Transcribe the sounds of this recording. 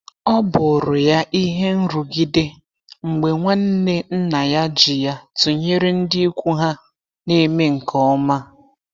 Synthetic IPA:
ɔ˦bʊ˨ɾʊ˨ja˦ʔi˦ɦe˦n̩˦ɾu˨ɡi˦de˦ | ŋ͡m̩˨ɡ͡be˨ŋʷa˦n̩˦ne˦n̩˦na˨ja˦d͡ʒɪ˨ja˦tʊ˨ɲe˦ɾe˦n̩˦dɪ˦i˦kʷu˦ɦa˦ | ne˦me˦ŋ̩˨kʰɔ˦ɔ˦ma˦

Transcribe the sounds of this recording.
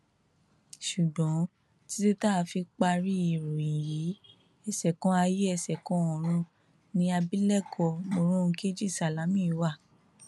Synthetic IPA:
ʃu˨dɔ̃˨˦ | ti˦te˦ta˦˨˧fi˧k͡pa˧ɾi˦i˨ɾu˨ĩ˨ji˨˦ | ɛ˧sɛ˨kɔ̃˨˦a˧je˦ɛ˧sɛ˨kɔ̃˨˦ɔ̃˨ɾ̃ũ˧ | nĩ˧a˧bi˦lɛ˦˨kʰɔ˧˨mo˧ɾ̃ũ˦˧ke˦d͡ʒi˦˨sa˨la˨˦mĩ˦˨˦wa˦˨

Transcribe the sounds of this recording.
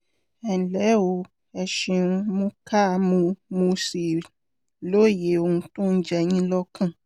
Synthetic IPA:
ɛ˨lɛ˨˦o˧˦ | ɛ˨ʃĩ˧ũ˧mũ˦ka˦˨mũ˧mũ˧si˨ | lo˦˨je˨˦o˧hũ˧tũ˦n̩˦d͡ʒɛ˧ɲĩ˦lɔ˦kã˦˨

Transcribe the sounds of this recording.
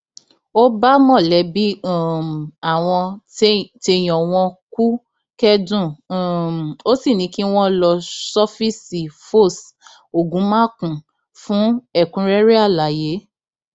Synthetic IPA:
o˦ba˦mɔ̃˦˨lɛ˨˦bi˦˨ | a˨w̃ɔ̃˧ | te˧j̃ɔ̃˨w̃ɔ̃˧ku˦ | kɛ˦dũ˦˨ | o˦si˦˨nĩ˧˦ki˦w̃ɔ̃˦lɔ˧sɔ˦fi˦si˨fo˦˨s | o˨ɡũ˨˦mã˦kũ˨ | fũ˨˦ɛ˦˨kũ˨˦ɾɛ˦ɾe˦a˦˨la˨je˨˦

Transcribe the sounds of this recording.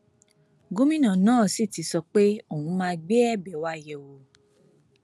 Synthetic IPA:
ɡo˦mĩ˦nã˨nãː˦˨si˦˨ti˨˧˦sɔ˧k͡pe˦o˦˨wũ˨˧˦mãː˦˧˦ɡ͡bɛ˦ɛ˦˨bɛ˨˦wa˧˦˨jɛ˨wo˨˧

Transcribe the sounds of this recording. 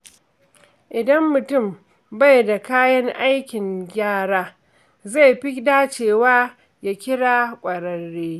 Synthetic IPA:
ʔɪ˨dɐ˦mːʊ˨tʊ˦˨m | ba˦jda˨kaː˦jɐ˦ŋʔa˦jkʲɪ˨ŋɡʲaː˦˨ɽaː˦ | za˦˨jɸɪ˦daː˦t͡ʃeː˨waː˦ | ja˦kʲɪ˦ɽaː˦kʷʼɐ˨ɾɐ˨ɽːeː˦

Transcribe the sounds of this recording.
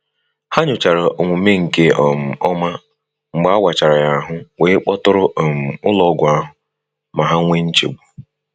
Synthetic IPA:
ha˦ɲʊ˨t͡ʃa˨ɾa˨o˨ŋʷʊ˨me˦ŋ̩˨ke˦ɔ˨m̩˨ɔ˦ma˦ | ŋ͡m̩˨ɡ͡ba˦wa˨t͡ʃa˨ɾa˨ja˨ɦʊ˦weː˨˦k͡pɔ˦tʊ˦ɾʊ˦ʔm̩˨ʊ˦lɔ˦ɡʷʊ˨a˦ɦʊ˨ | ma˨ɦa˦ŋʷe˦n̩˦t͡ʃḛ˨ɡ͡bu˨

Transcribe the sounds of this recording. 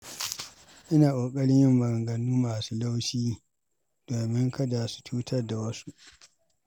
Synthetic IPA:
ʔɪ˦naː˨ʔoː˨kʼɐ˦ɽɪ˦ɲjɪ˦mbɐ˨ɾŋɡɐ˨nuː˦maː˨suː˦la˦wʃiː˦ | d̥oː˨mɪ˦ŋkʰɐ˦da˨su̥˨tʰuː˦tʰɐ˦rda˨wɐ˦su˦ʔ

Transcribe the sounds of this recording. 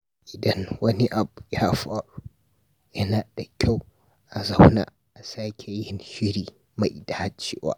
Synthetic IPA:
ʔɪ˨dɐ˦nwɐ˦ni˦ʔa˨bu˨jaː˦ɸaː˨ɽu˦ | jɐ˦naː˨d̥a˨kʲa˦w | ʔa˨za˦wna̰ː˨ | ʔa˨saː˦kʲʰe˨jɪ˦nʃɪ˦ɾiː˨ | ma˨ʔda˨ha˦t͡ʃːḛː˦wa̰˨ʔ

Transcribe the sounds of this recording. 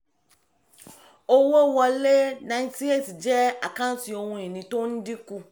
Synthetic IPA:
o˦wo˦wɔ˧le˦nã˨˧˦ti˦e˦˨ti˨d͡ʒɛ˦a˨kã˦n̩˦ti˧o˧hũ˧e˨nĩ˨to˦n̩˦di˦ku˧

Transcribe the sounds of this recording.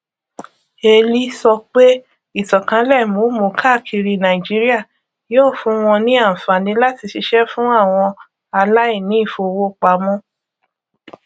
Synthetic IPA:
e˧li˦sɔ˧k͡pe˦ | i˦˨tɔ˨kã˨˦lɛ˦˨mo˨˦mo˨˦kʰa˦˨kʰi˧ɾi˧nã˨i˨d͡ʒi˨˦ɾi˦a˦˨ | jo˦˨fũ˨˦w̃ɔ̃˧nĩ˦a˦˨fa˨nĩ˨˦la˦ti˨˧ʃi˧ʃɛ˦fũ˦a˦˨w̃ɔ̃˧ | a˧la˦i˦˨nĩ˨˦i˦˨fo˧wo˦k͡pa˧mɔ̃˦

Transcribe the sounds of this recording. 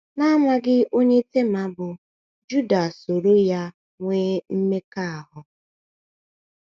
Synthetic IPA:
na˦ma˦ɡɪ˦o˦ɲe˦te˦ma˨bʊ˨ | d͡ʒu˦da˨so˨ɾo˦ja˦ | ŋʷeː˦m̩˦me˦ka˦a˨ɦʊ˨

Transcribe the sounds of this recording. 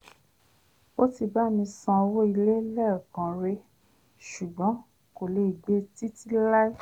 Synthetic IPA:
o˦ti˧ba˦˨mĩ˧sã˧o˧wo˦i˧le˦lɛ˦˨kã˨ɾe˧ | ʃu˨ɡ͡bɔ̃˨˦ | ko˨le˧˨i˨ɡ͡be˨˦ti˦ti˦la˦i˦

